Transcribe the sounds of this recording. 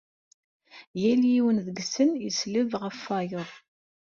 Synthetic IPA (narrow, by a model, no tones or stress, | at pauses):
jæliwənðəɡsənjisləvʁəfːɑjoðˤ